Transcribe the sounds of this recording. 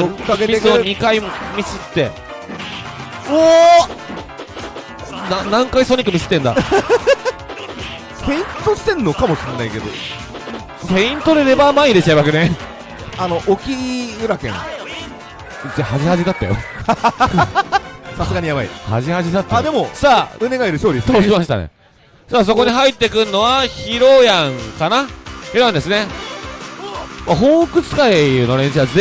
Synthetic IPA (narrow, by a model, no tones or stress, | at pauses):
oaɡeiesoɲ̟ikaimʲisɨt̪ːe̞ | o | nãnãŋkaisoɲ̟ʲikɯ̟mʲisɨ̥t̪ːẽnd̪a̰ | peĩnt̪oɕi̥t̪ẽ̞nːo̞kamo̞ɕiɾenaike̞d̪o̰ | pẽ̞ĩnt̪o̞ɾeɾe̞bamaid̪et͡ɕaeβakenẽ | ano̞ʔokʲiɯ̟ɾakẽ̞ŋ | t͡ɕahaʑihaʑit̪at̪ːa̰jo̰ | sasɨɡaɲ̟ijabaḭha̰ʑihaʑit̪at̪ːaːdd̪e̞mo̞saːɯ̟ne̞ɡaiɾɯ̟ɕoːɾʲist̪ːaoɕimasɕi̥t̪a̰nḛ | saːs̬o̞ko̞ɲ̟iɦait̪ːe̞kɯ̟nːo̞βaçiɾo̞jãŋkanaçiɾojãndesɨne̞ | maɦo̞ːkɯ̟t͡sɨ̥kainoɾẽ̞ɕiβad͡z